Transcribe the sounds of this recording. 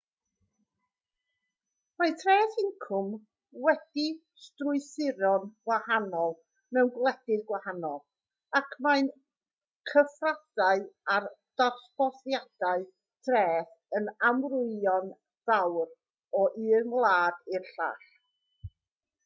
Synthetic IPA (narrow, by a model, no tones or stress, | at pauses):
maɨtʰrɛːθɪŋkʰʊm | wɛdi | strʊɨsɪɾɔnɡwahanɔlˠ | nɛwnɡlˠɛd̥ɪðɡwahanɔlˠ | akʰmaɨn | kʰəfradaɨard̥arɬb̥ɔθjad̥aɨ | tʰrɛːθ | ənamrʊɨɔn | ð̥awr | ɔʔɨːnlˠaːdɪrɬa̰ɬ